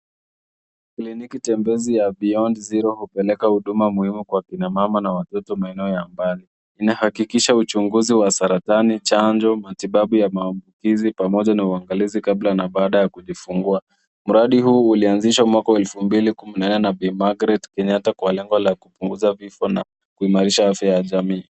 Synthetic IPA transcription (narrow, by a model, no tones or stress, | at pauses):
klinikitɛmbɛzijaɓiɔndziɾɔhupɛlɛkahuɗumamuhimukwakinamamanawatɔtɔmaɛnɛɔjambali | inahakikiʃaut͡ʃuŋɡuziwasaɾatanit͡ʃand͡ʒɔmatiɓaɓujamaːmbukizipamɔʄanauaŋɡalizikablanaɓaːɗajakuʄifuŋɡua | m̩ɾaɗiɦuːulianziʃwamwakawɛlfumbilikuminanɛnaɓɛmaɡɾɛtkɛɲatakwalɛŋɡɔlakupuŋɡuzavifɔna | kuimaɾiʃaafjajaʄamiː